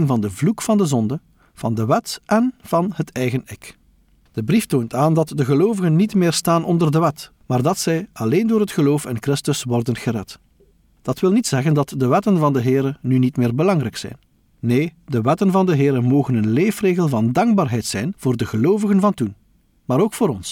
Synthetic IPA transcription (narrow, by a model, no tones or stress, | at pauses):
ŋvɑndəvlukfɑndəzɔndə | v̥ɑndəʋɛtʔɛnv̥ɑnhətɛjɣənɪk | d̥əbriftoːntaːndɑtdəɣəloːvəɣənːitmɪːrstaːnʔɔndərdəʋɛt | maːrdɑtsɛjɑleːndoːrɦətxəloːfɪ̰nkrɪstəswɔrdənɣərɛt | d̥ɑtwɪlˠnitsɛɣəndɑtdəʋɛtənvɑndəɦɪːɾənynitmɪːrbəlɑŋrɛjksɛ̰jnː | eːdəʋɛtənvɑndəɦɪːɾəmoːɣənənleːfreːɣəlˠvɑndɑŋɡ̚baːrɦɛjtsɛjnv̥oːrdəɣəloːvəɣənvɑntun | maːɾoːkfoːɾɔns